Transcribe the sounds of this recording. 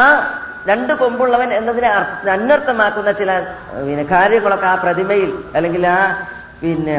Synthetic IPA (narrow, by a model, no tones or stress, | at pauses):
aː | ɾe̞ɳɖɨko̞mbuɭːɐʋɐne̞nːɐðinɨɐɐnːɐrt̪ːɐmaːkːunːɐt͡ɕilaːl | inekaːɾjɐŋːuɭokːaːprɐðimɐjilɐlːe̞ŋɡilaː | pinːe